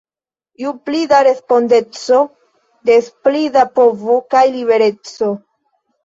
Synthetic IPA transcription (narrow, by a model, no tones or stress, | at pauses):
iuplidaɾe̞spo̞nde̞t͡so̞ | de̞splidapo̞vokajliβe̞ɾe̞t͡so̞